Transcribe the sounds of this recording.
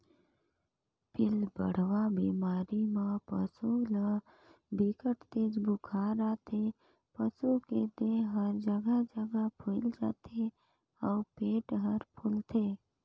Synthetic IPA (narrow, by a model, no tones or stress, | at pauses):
pɪlbə̰ɽ̤ʋabimaːɾimãpə̰sulə | bikəʈt̪eːd͡ʒbʊkʰaɾat̪ʰe | pəsuked̪eɦəɾd͡ʒəɡəd͡ʒəɡəpʰʊld͡ʒa̰ːt̪ʰe | ɔːpeːʈɦəɾpʰʊlt̪ʰeː